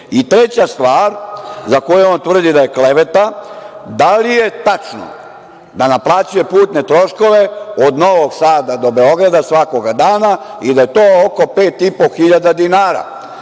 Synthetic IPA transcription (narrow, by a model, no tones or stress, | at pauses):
it̪ɾet͡ɕast̪ʋaːɾzako̞jeont̪ʋr̩d̪id̪aje̞kle̞ʋe̞t̪ad̪alije̞t̪at͡ʃno̰ | d̪anaplˠaːt͡ɕuje̞puːt̪ne̞t̪ɾo̞ʃko̞ʋe̞od̪no̞ʋo̞ɡsaːd̪ad̪o̞be̞o̞ɡɾad̪asʋako̞ɡad̪aːnaid̪aje̞t̪oːoko̞pe̞ːt̪ipo̞xiʎad̪ad̪inaːɾa̰